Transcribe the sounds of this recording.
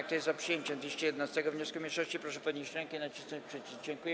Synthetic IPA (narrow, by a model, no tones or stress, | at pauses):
ak̚t̪ɔjɛzzapʂɨjeɲt͡ɕɛmd̪vʲeɕt͡ʃɛjɛd̪ɛnast̪ɛɡɔvɲɔskumʲeʂɔɕt͡ɕipɾɔʂɛpɔd̪ɲiɕt͡ɕɾɛŋkɛinat͡ɕisnɔ̃ɲt͡ɕʲpʂɘt͡ɕid͡ʑɛŋkujɛ